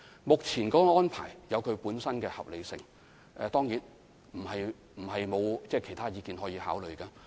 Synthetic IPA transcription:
mʊ˨k̚t͡sʰiː˨˩nkɔː˨˦˥ɔː˥npʰa̰ː˨˩jjɐ˨˧wkʰɵ˨˧ɥpuː˨˥nsɐ˥nkɛː˧hɐ̰˨p̚le˨˧jsɪ̰˨ŋ | ʔɛː˨˧t̪ɔː˥ŋjiː˨˥n | m̩˨˩hɐ˨j | m̩˨˩hɐ˨jmo˨˧wt͡sɛː˥˩kʰe˨˩jt̪ʰaː˥jiː˨˧kiː˨nɦɔː˨˥jiː˧haː˨˥wlɵ˨ɥkaː˧

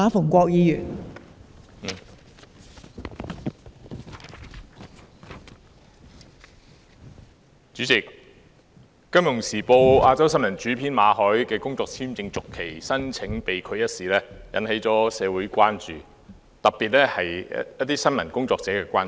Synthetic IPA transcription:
aː˨˧fʊ˨˩ŋkʷɔː˧k̚jiː˨˧jyː˨˩n˨ | t͡ʃyː˨˥t͡sɪ˨k̚ | ɐ˥mjʊ˨˩ŋsiː˨˩po˧waː˧t͡sɐ˥wsɐ˥nmɐ˨˩nt͡ʃyː˨˥pʰiː˨˥nmaː˨˧ɦɔː˨˥jkɛː˧kʊ˥ŋt͡sɔː˧k̚t͡sʰiː˥mt͡sɪ˧ŋt͡sʊ˨kʰːe˨˩jsɐ˥nt͡sʰɪ˨˥ŋpe˨jkʰɵ˨˧ɥjɐ˥t̚siː˨lɛː˥jɐ̰˨˥nhe˨˥jt͡sɔː˨˥sɛː˨˧wu˨˥jkʷaː˥nt͡ʃyː˨˩ | t̪ɐ˨k̚pːiː˨t̚lɛː˥hɐ˨jjɐ˥t̚t̪ːiː˥sɐ˥nmɐ˨˩nkʊ˥ŋt͡sɔː˧k̚t͡sɛː˨˥kɛː˧kʷaː˥n

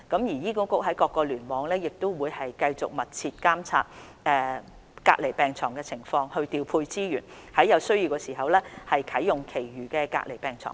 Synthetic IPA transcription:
kɐ˨˥mjiː˨˩jiː˥ko˥kʊ˥k̚ɦɐ˨˥jkɔː˧kːɔː˧lyː˨˩nmɔː˨˧ŋlɛː˥jɪ˨k̚t̪ʊ˥wwuː˨˧jhɐ˨jkɐ˧jt͡sʊ˨k̚mɐ˨t̚t͡sʰiː˧t̚kaː˥mt͡sʰa̰ː˧t̚ | ʔɛː˧ | ka̰ː˧k̚le˨˩jpɛː˨˩ŋt͡sʰɔː˨˩ŋkɛ˧t͡sʰɪ˨˩ŋfɔː˧ŋhɵ˧ɥt̪iː˨˧wpʰuː˧jt͡siː˥jyː˨˩n | hɐ˨˥jɐ˨˧wsɵ˥ɥji˧wkɛː˧siː˨˩ɦɐ˨wlɛː˥hɐ˨jkʰɐ˨˥jːʊ˨˩ŋkʰe˨˩jɥyː˨˩kɛː˧ka̰ː˧k̚le˨˩jpɛː˨ŋt͡sʰɔ̰ː˨˩ŋ

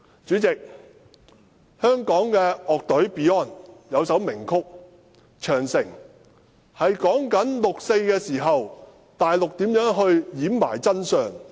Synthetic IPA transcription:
t͡syː˨˥t͡sɪ˨k̚ | hœː˥ŋkɔː˨˥ŋkɛː˧ʔɔː˨k̚t̪ɵ˨˥ɥpiː˨˥ɔː˥˩njɐ˨˧wsɐ˨˥wmɪ˨˩ŋkʰʊ˥k̚ | t͡ʃʰœː˨˩ŋsɪ˨˩ŋ | hɐ˨jkɔː˨˥ŋkɐ˨˥nlʊ˨k̚se˧jkɛː˧siː˨˩ɦɐ˨w | t̪aː˨jlʊ˨k̚t̪iː˨˥mjœː˨˥ŋɦɵ˧ɥjiː˨˥mma̰ː˨˩jt͡sɐ˥nsœː˨ŋ

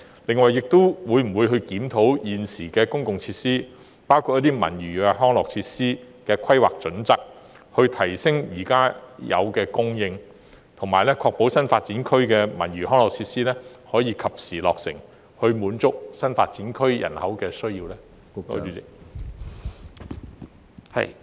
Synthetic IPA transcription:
lɪ˨˩ŋwɐ˨jɪ˨k̚t̪ʊ˥wwuː˨˧jm̩˨˩wu˨˧jɦɵ˧ɥkiː˨˥mt̪ʰo˨˥wjiː˨nsiː˨˩kɛː˧kʊ˥ŋkʊ˨ŋt͡sʰiː˧t̚siː˥ | paː˥wkʰu˧jɐ˥t̪̬iː˥mɐ̰˨˩njyː˨kɛː˧ɦɔː˥ŋlɔː˨˩k̚t͡sʰiː˧t̚siː˥ | kɛː˧kʷʰɐ˥jwa̰ː˨k̚t͡ʃɵ˨˥nt͡sɐ˨k̚ | hɵ˧ɥt̪ʰɐ˨˩jsɪ˥ŋjiː˨˩kaː˥jɐ̰˨˧wkɛː˧kʊ˥ŋjɪ˧ŋ | t̪ʰʊ˨˩ŋmaː˨˩jlɛː˥kʰɔː˧k̚po˨˥wsɐ˥nfaː˧t̚t͡siː˨˥nkʰɵ˥ɥkɛː˧mɐ̰˨˩njyː˨˩ɦɔː˥ŋlɔː˨k̚t͡sʰiː˧t̚siː˥lɛː˥hɔː˨˥jiː˧kʰɐ˨p̚siː˨lɔ̰ː˨k̚sɪ̰˨˩ŋ | hɵ˧ɥmuː˨˥nt͡sʊ˥k̚sɐ˥nfaː˧t̚t͡siː˨˥nkʰɵ˥ɥjɐ̰˨˩nhɐ˨˥wkɛː˧sɵ˥ɥjiː˧wlɛː˥˨

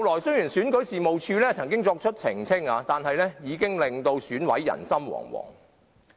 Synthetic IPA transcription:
ɐ˨wlɔː˨˩jsɵ˥jyː˨˩nsyː˨˥nkɵ˨˥ɥsiː˨mo˨wt͡ʃʰyː˧lɛː˥t͡sʰɐ˨˩ŋkɪ˥ŋt͡sɔː˧k̚t͡ʃʰɵ˥t̚t͡sʰɪ˨˩ŋt͡sʰɪ˥ŋaː˨˧t̪aː˨nhɐ˨jlɛː˥jiː˨˧kɪ˥ŋlɪ˨ŋt̪o˧wsyː˨˥nwɐ˨˥jːɐ̰˨˩nsɐ˥mwɔ̰ː˨˩ŋwɔ̰ː˨˩ŋ

